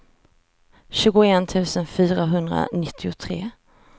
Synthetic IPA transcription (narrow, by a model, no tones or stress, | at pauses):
ɕʉ̟ːɡʊɛnt̪ʰʉ̟ːsənfyːɾaɦɵnd̪ɾa̰nɪt̪ʰːɪʊt̪ʰɾeː